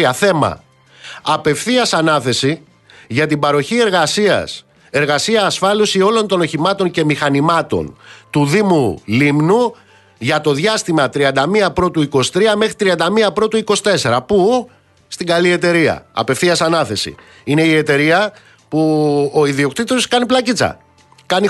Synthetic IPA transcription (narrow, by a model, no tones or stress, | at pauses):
ɐθe̞mɐ̰ | ɐpe̞fθiɐsɐnɐθe̞si | ʝɐt̪ibɐɾo̞çie̞ɾɣɐsiɐ̰s | e̞ɾɣɐsiɐːsfɐlusio̞lo̞nt̪o̞no̞çimɐt̪o̞ɲce̞mixɐnimɐt̪o̞̰nt̪uðimulimnu | ʝɐt̪o̞ðʝɐst̪imɐt̪ɾiɐnd̪ɐmiɐpɾo̞t̪uiko̞si̥t̪ɾiɐme̞xɾit̪ɾiɐnd̪ɐmiɐpɾo̞t̪uiko̞si̥t̪e̞se̞ɾɐpu | st̪iŋɡɐlie̞t̪e̞ɾiɐ̰ɐ̰pe̞fθiɐsɐnɐθe̞sḭ | ine̞ie̞t̪e̞ɾiɐ | puo̞iðio̞kt̪it̪oskɐniplɐcit͡sɐ̰ | kɐni